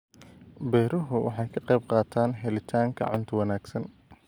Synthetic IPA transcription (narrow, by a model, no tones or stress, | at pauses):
bɛːɾɐɦʊwʔɑ̰ħɑjkʰɐqɛjb̚qɑːt̪ʰaːnɦɛlɪt̪ʰaːŋkʰɐ̰ʕɪnt̪ʰɐwɐnaːɡsɐn